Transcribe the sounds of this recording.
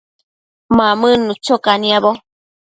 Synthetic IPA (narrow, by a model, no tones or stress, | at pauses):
mamɨnut͡ʃokaniabo